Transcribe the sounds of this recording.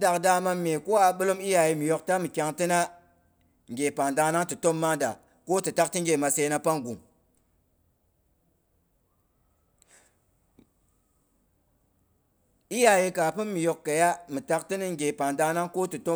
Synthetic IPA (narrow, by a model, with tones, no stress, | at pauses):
da˨kda˦ma˦mːe˨ko˦a˨ɓɨ˦lo˦mi˦ja˨ji˦mi˨jo˨k̚ta˦mi˨kʲa˨ŋti˦na˦ | ŋ˨ɡʲe˨pa˨nda˧na˦ŋtɨ˨to˦mːa˦da̰˨ | ko˦tɨ˨ta˦k̚ti˦ŋɡʲe˨ma˨se˦na˦pa˦ŋɡu˨m | i˦ja˨ji˦ka˨pɨ˦mːi˨jo˨kːa˨ja˦mi˨ta˦k̚ti˦ni˦ŋɡʲe˨pa˨nda˧na˦ŋko˦tɨ˨to˦